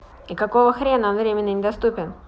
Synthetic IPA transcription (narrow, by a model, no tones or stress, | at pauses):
ikɐko̞vəxɾʲennvɾʲemʲɪnʲɨnʲɪd̪ɐst̪upʲɪn